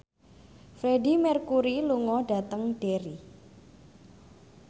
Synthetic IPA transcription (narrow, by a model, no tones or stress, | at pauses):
fɾeɖimɛrkuɾiluŋɔɖ̥a̤t̪əŋɖ̥eɾi